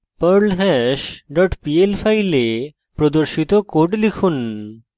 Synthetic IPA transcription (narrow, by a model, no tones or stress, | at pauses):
pəɾlɦɛʃɖɔʈpielfʰajle | pɾod̪oɾʃit̪okoɖlikʰun